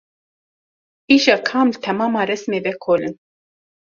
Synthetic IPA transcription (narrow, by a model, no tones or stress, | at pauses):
iʒɑːkʰɑːmlɨt̪ʰɛmɑːmɑːɾɛsmeːvɛkʰoːlɨn